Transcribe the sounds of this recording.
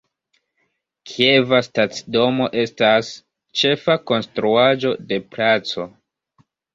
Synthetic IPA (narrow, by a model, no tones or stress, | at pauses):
kʰie̞vastat͡sido̞mo̞ʔe̞stas | t͡ʃe̞fako̞nstɾuad͡ʒo̞de̞plat͡so̞